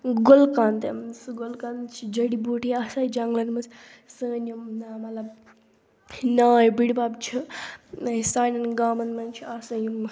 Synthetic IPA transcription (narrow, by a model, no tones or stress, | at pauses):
ɡolkaːnt̪emsɨɡolkaːnt͡ʃʰid͡ʒɐɽibuːʈʰiaːsaːjid͡ʒɐŋɡlɐnmɐt͡sʰ | səːnumnamɐlɐb | naːjbiɽbaːbt͡ʃʰi | saːnʲɐnɡaːmɐnmɐnt͡ʃʰiasɐjim